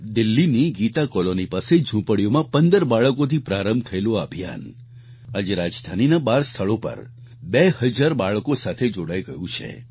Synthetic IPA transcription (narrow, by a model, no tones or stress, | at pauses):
d̪ɪlːiniɡit̪akɔlonipased͡ʒʱũpəɽijomãpənd̪əɾbaɭəkot̪ʰipɾaɾəmbt̪ʰəeloabʱija̰n | ad͡ʒeɾad͡ʒd̪ʱaninabaɾst̪ʰəɭopə̰ɾ | behəd͡ʒaɾbaɭkosat̪ʰed͡ʒoɽajɡəjũt͡ʃʰḛ